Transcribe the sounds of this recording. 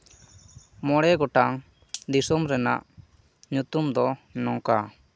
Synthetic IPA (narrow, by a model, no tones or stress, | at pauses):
mɔɽɛɡɔʈaŋ | d̪isumɾɛna̰ʔ | ɲut̪umd̪ɔnɔŋka